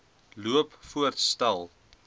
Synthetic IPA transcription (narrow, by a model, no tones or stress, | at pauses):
luəpfuərtstælˠ